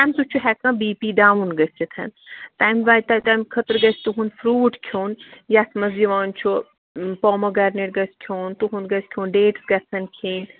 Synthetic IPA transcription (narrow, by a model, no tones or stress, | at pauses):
t̪aːmt̪ut͡ʃʰuɦɛkãːbiːpiːɖaːʋunɡɐsʲt͡ʃit̪ʰɐ̰nt̪aːmʋaːt̪at̪amkʰɐt̪əɾɡɐsʲt̪uɦunfɾuːʈkʰjoːnjasmɐziʋaːnt͡ʃʰu | poːmɐɡɐɾneʈɡɐskʰjoːnt̪uɦunɡɐskʰjoːnɖeːʈsɡɐsʰɐnkʰiːn